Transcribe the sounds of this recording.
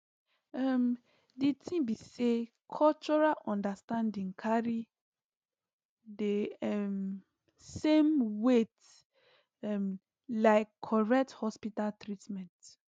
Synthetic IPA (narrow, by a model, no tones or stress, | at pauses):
am | ditĩbise | kʰɔlt͡ʃɔɹalʔɔ̃ndastãndĩŋkʰaɹi | deɛm | sẽmwet | m | laɪkʰːɔɹɛk̚thɔspitaltɹitmɛ̃nt